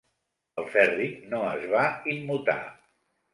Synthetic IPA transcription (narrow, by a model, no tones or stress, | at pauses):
əlˠfɛrinoəzβaimːut̪a̰